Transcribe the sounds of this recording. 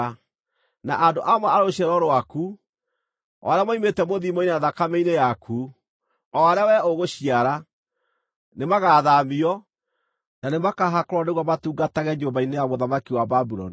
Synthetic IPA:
na̰ʔandoʔamwɛaɾoɕɛɾɔɾoaku | ɔ̰ɾjamaimetɛmoðimɔinaðakameinejakʰu | ɔaɾawɛoɣoɕiaɾa | nemaɣaðamiɔ | nanemakaɦakɔɾɔneɣwamatuːŋɡataɣɛɲd͡ʒombainejamoðamakiwababuɾɔ̰ni

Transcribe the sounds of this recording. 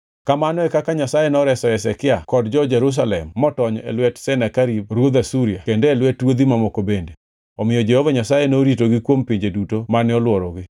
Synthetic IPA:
kamanɔɛkakaɲasajenɔɾɛsɔɛsɛkɪakɔdd͡ʒɔd͡ʒɛɾus̬alɛmːɔtɔɲɔḛlwɛtsɛnakaɾib̚ɾwod̪asuɾiakendeːlwɛtwod̪imamokobende | ɔmɪjɔd͡ʒɛhovaɲasajenoɾitoɡɪkwompiɲd͡ʒedutomanɪɔlwɔɾɔɡɪ

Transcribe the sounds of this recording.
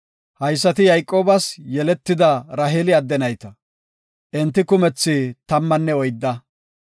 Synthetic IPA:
hɐjs̬ːɐt̪ɪjɐjkʼːo̞ːbɐsjɛlɛt̪ːɪd̪ɐɾɐɦeːlɪɐd̪ːɛnɐjt̪ɐ | ʔɛnt̪ːɪkʊmɛt͡sːɪt̪ɐmːɐnːɛɔjd̪ːɐ

